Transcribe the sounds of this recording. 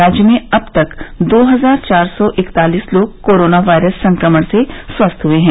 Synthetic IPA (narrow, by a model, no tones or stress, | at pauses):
ɾaːd͡ʒjəmẽɐb̚t̪ɐkd̪oːɦɐzaːɾt͡ʃaːɾsɔʔɪkt̪aːliːsloːɡ̚koːɾoːnaʋaːɪɾəsːɐ̃ŋkɾəməɽ̃seswɐst̪ʰɦueɦɛ̃ː